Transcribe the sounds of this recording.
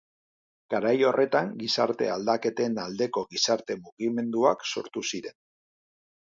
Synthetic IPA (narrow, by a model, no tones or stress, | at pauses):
ɡ̥aɾajo̞rʔe̞t̪aŋɡisa̰ɾt̪e̞̰ald̪ake̞t̪e̞nald̪e̞ko̞ɣisaɾt̪e̞muɣime̞nd̪ua̰kso̞̰ɾt̪usiɾe̞n